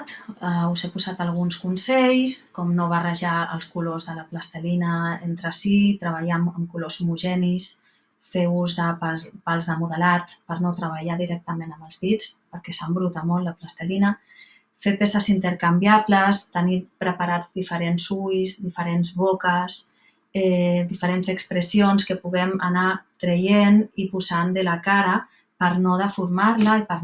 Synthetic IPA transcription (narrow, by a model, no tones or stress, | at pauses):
t̪əuzepuzat̪əlˠɣ̞unskunsɛʎskɔmnoβ̞ərəʒaə̰lˠskulozðələpləst̪əlinəent̪ɾəsit̪ɾəβ̞aʎaməmkulozumuʒɛnis | feuzðəpapalˠzðəmuðəlat̪pəɾnot̪ɾəβ̞əʎaðiɾɛk̚t̪əmenəməlˠzðit͡spəɾkɛsəmbɾut̪amɔllːəpləst̪əlinə | fepesəzint̪əɾkambjaβləst̪ənipɾəpaɾad͡zd̪ifəɾenzujzðifəɾenzβokəs | ɛd̪ifəɾenzəkspɾəsionskəpuɣɛmanat̪ɾejenipuzand̪əlakaɾə | pəɾnɔðəfuɾmaɾləipəɾ